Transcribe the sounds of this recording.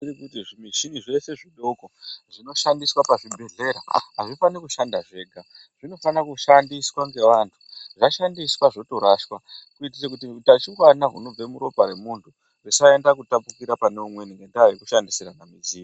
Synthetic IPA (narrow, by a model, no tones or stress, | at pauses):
iɾikutiʐimiʃiniʐe̞se̞ʐiɗokoʐ̥ino̞ʃandiswapaʐibʱe̞ɮe̞ɾa̰ɦaʐifanekuʃandaʐe̞ːɡʱa | ʐ̥ino̞fanakuʃandiswaŋɡe̞ʋantʰu̥ʐaʃandiswaʐo̞to̞ɾaʃwakuitit͡ʃak̬utitat͡ʃiwanaɦṵno̞b͡vemuɾo̞paɾe̞muntʰu | risaendakutapukiɾapaneumweniŋɡendaaʋekuʃandisiɾanamiziː